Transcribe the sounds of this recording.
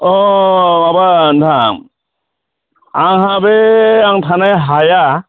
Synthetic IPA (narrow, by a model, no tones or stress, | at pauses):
ɔmabantʰaŋ | aŋɦabeaŋtʰanajɦaja